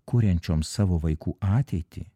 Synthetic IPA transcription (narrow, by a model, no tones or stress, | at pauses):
kʊɾʲɛnʲt͡ʃʲoːmssɑːʋoːʋɐɪkuːɑːt̪ʲɛɪt̪ʲḭ